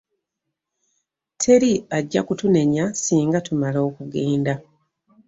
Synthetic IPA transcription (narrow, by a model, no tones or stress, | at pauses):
tʰe̞ɾiaɟːa̰kutune̞ɲasiːŋɡatumalo̞ːkuɡeːnda